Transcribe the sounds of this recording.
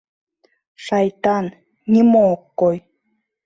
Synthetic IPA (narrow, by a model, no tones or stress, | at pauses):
ʃɑjt̪ɑn | nʲimookːoj